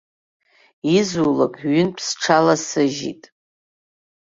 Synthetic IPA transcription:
izulakʼɥʏnpʰsʈ͡ʂʰalasɨʒḭtʼ

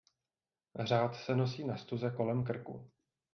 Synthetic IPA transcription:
r̝aːt̪sɛno̞siːnast̪uzɛko̞lɛmk̬r̩kṵ

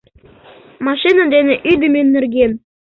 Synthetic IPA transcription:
mɑʃinɑd̪enĕʔyd̪ɘmenːɘ̆rɡen

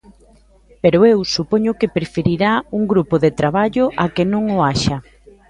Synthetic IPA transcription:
peɾʊewsupoɲʊkɪpɾefeɾiɾauŋɡɾupoðet̪ɾaβ̞aʎʊʔakenõŋʊaʃɐ

